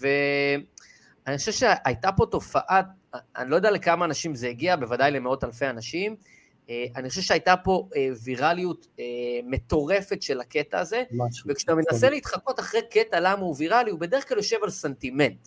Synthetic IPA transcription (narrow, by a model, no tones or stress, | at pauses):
ve | aniχoʃvʃeʔajtapo̞to̞faʔa | a̰nilo̞jd̪alekamaːnaʃimzeiɡiabevadajlemeo̞talfe̞anaʃim | eaniχo̞ʃevʃeajtapo̞eviʁalijut | eme̞t̪o̞ʁe̞fetʃe̞lake̞taːzevekʃamenaseleit̪χako̞taχʁejke̞talamauviʁaliubede̞ʁ̞χkɡ̥laljo̞ʃe̞valsentime̞nt